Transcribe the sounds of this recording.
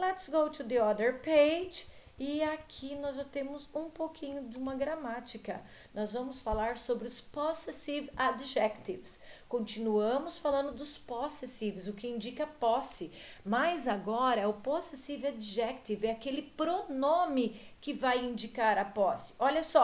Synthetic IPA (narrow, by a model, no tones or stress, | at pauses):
lɛt̪sɡowt̪ud̪ɪɔd̪eɾpejd͡ʒ | ɪakʰinɔzʒat̪ẽmʊzũpowkʰĩɲʊd͡ʒɪũmɐɡɾɐmat͡ʃikɐ | nɔzvɐ̃mʊsfalaɾsobɾɪʊsposesivad͡ʒʒɛkt̪ivskõnt͡ʃinuɐ̃mʊsfalɐ̃nd̪ʊd̪ʊsposesivɪzʊkɪĩnd͡ʒikɐpɔsɪ | majzaɡɔɾɐʊposesivad͡ʒʒɛk̚t̪ivɛakelɪpɾonõmɪkɪvajĩnd͡ʒikaɾɐpɔsɪ̥ɔʎɐsɔ